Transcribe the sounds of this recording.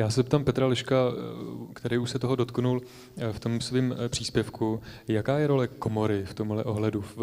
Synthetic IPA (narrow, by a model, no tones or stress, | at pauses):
jaːsɛsp̚t̪aːmpɛt̪ɾalɪʃka | kt̪ɛɾiːuʃsɛt̪o̞ɦodo̞t̪knul | ft̪o̞msviːmpr̝̥iːspjɛfkujakaːjɛɾo̞lɛko̞mo̞ɾɪft̪o̞mɦlɛʔo̞ɦlɛdu